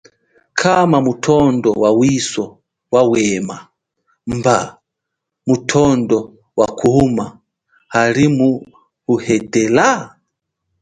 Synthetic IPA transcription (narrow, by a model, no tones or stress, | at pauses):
kʰamamutʰɔndɔwawisɔ | wawɛːma | mba | mutʰɔndɔ | wakʰuma | haɾimu | uhɛdɛla